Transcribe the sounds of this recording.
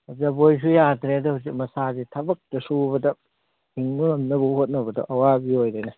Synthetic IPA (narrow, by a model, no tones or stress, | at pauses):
ɐzɐbojs̬ʰujatʰɾedɐhusik̚mɐsazitʰɐbɐk̚tɐsubɐdɐ | hiŋmulɐmnɐbɐhot̚nɐbɐdɐ̰ʔɐwabiojdejnɐ